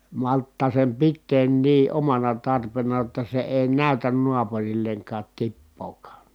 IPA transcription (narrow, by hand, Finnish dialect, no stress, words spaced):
mɑltːɑː sem pitːeːn niː omɑnɑ tɑrpenɑ jotːɑ se eˑi næˑytæn nuɑpurilːeŋkɑːt tipːoːkɑː